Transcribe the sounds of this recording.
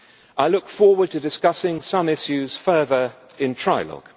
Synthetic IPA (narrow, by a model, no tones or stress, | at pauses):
ʔaɪlʊkfɔːwəd̚tʰɨdɪskʌsɪ̃ŋsʌ̃mɪʃʉz̥fɜːðə˞ | ɪ̃ntʰɹ̥aɪlɒ̰ɡ̥